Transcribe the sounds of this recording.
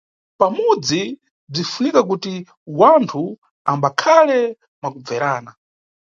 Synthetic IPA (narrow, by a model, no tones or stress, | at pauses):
pamud͡zi | b͡ʐifunikak̬uti | wantʰu | ambakʰalɛ | makub͡vɛɾaːna